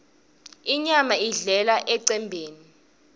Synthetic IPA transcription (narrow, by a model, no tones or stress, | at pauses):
iɲamaiɮɛlaʔɛǀɛmbʱeːni